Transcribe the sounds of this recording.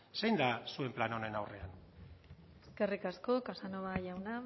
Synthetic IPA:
sejnd̪asue̞mplano̞ne̞nawre̞an | eske̞rikasko̞kasanoβaʝawna

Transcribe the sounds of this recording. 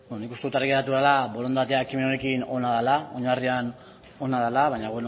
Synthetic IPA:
benonikust̪e̞ut̪arɣeɾat̪̬uðalaβo̞lont̪at̪eaekime̞none̞kino̞naðalao̞ɲarian | o̞nað̞alaβaɲaβeno

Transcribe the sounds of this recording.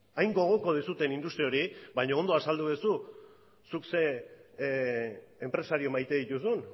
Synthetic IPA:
ajŋɡo̞ɣ̞o̞ko̞ð̞isut̪e̞nind̪ust̪ɾio̞ɾibajɲoond̪o̞asald̪uðusu | sukse̞ | empɾe̞saɾiomajt̪e̞ðit̪usun

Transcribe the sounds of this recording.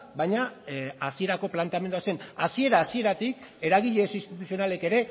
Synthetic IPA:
bajɲaasie̞ɾako̞plant̪eame̞nd̪uase̞nasie̞ɾaːsie̞ɾat̪ike̞ɾaɣ̞iʎe̞sinst̪it̪usio̞nale̞ke̞ɾe̞

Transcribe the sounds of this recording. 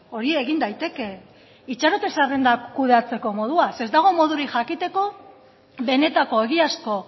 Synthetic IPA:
o̞ɾie̞ɣind̪ajt̪e̞ke̞ | it͡ʃaɾot̪e̞sarend̪akuðe̞at͡se̞ko̞mo̞ð̞uase̞zd̪aɣ̞o̞mo̞ð̞uɾiʝakit̪e̞ko̞ | βe̞ne̞t̪ako̞e̞ɣiasko̞

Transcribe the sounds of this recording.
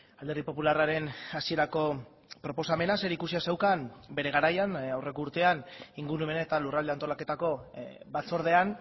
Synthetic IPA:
ald̪e̞ɾðipo̞pularaɾe̞nasie̞ɾako̞ | pɾo̞po̞same̞nase̞ɾikusiase̞wkanbe̞ɾe̞ɣaɾajanawre̞kuɾt̪e̞aniŋɡuɾume̞naet̪alurald̪e̞ant̪o̞lake̞t̪ako̞ | bat͡so̞ɾð̞e̞an

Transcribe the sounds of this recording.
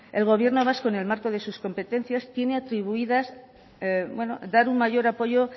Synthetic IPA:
e̞lɣ̞o̞β̞je̞ɾno̞β̞asko̞ne̞lmaɾko̞ð̞e̞susko̞mpe̞t̪e̞n̟θjast̪je̞ne̞at̪ɾiβuiðas | bwe̞no̞̰d̪aɾuŋmaʝo̞ɾapo̞ʝo̞

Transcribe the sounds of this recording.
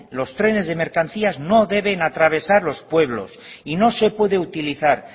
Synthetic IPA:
lo̞st̪ɾe̞ne̞zðe̞me̞ɾkanθiazno̞ðe̞βe̞nat̪ɾaβ̞e̞saɾlo̞spwe̞β̞lo̞̰sino̞se̞pwe̞ðe̞ut̪iliθaɾ

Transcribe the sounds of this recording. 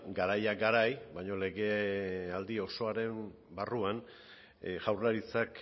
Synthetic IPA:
ɡaɾajaɡaɾajbajɲo̞le̞ɣe̞ald̪io̞so̞aɾe̞m | baruan | ʝawraɾit͡sak

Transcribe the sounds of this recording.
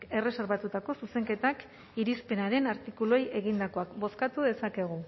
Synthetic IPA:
ke̞re̞se̞ɾβat̪ut̪ako̞suse̞ŋke̞t̪ak | iɾispe̞naɾe̞naɾt̪ikuloje̞ɣ̞ind̪ako̞akbo̞skat̪uðe̞sakeɣ̞u

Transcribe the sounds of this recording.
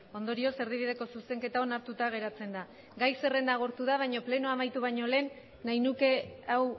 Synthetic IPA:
o̞nd̪o̞ɾio̞se̞ɾð̞iβ̞ið̞e̞ko̞sust̪e̞ŋke̞t̪ao̞naɾt̪ut̪aɣ̞e̞ɾat͡se̞nd̪a | ɡajse̞re̞nd̪aɣ̞oɾt̪uð̞aβ̞ajɲo̞ple̞noamajt̪uβ̞ajɲo̞le̞ːnː | ajnuke̞aw

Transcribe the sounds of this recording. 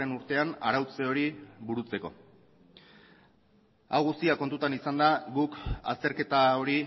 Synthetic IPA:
e̞nuɾt̪e̞ana̰ɾawt͡se̞o̞ɾiβuɾut͡se̞ko̞̰ | awɣust̪iako̞nt̪ut̪anisand̪aɡuka̰st̪e̞ɾke̞t̪ao̞ɾi

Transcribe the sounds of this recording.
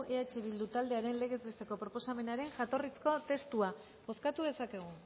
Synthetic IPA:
ʔeat͡ʃe̞β̞ild̪ut̪ald̪e̞aɾe̞nle̞ɣ̞e̞zβe̞st̪e̞ko̞pɾo̞po̞same̞naɾe̞ŋʝat̪o̞risko̞t̪e̞st̪ua | bo̞skat̪uð̞e̞sake̞ɣ̞u

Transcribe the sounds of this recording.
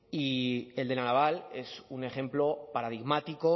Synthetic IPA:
ie̞ld̪e̞nanaβale̞sune̞χẽ̞mplo̞paɾað̞iɣmat̪iko̞

